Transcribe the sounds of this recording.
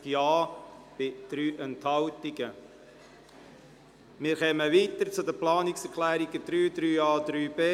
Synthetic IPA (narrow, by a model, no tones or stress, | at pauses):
jɑːb̥ɪd̪̥ɾyːʔɛnt̪hɑltɪɡə | mɪːɾχɛməʋiːt̪əɾt͡sʊd̪əplɑːnɪksɛɾkʰlæːɾiɡəd̥̪ɾyːd̪ɾyːɑːd̪̥ɾyːb̥eː